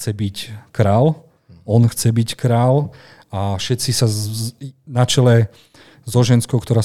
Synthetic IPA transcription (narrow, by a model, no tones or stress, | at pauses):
t͡sɛbickɾaːl | ɔnxt͡sɛbickɾaːl | afʃɛt̪t͡sisa | nat͡ʃɛlɛ | zɔʒɛnskɔʊkt̪ɔɾaː